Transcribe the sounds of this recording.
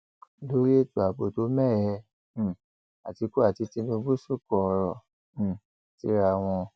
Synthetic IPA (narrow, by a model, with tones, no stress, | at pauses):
lo˦ɾi˦e˦tu˨a˨bo˨to˨˦mɛ˦˨jɛ̃˧˨ | a˨ti˧ku˦a˦˨ti˧ti˧nũ˧bu˦su˦˨kɔ˨˧ɾɔ̃˨ | ti˧˦ɾa˧˨w̃ɔ̃˧